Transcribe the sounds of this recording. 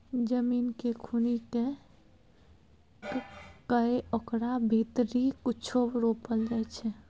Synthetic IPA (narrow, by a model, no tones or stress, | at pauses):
d͡ʒəmiːnkekʰunike | ɡkəeokɾabʱit̪ɾikut͡ʃʰobɾopəld͡ʒat͡ʃʰɛ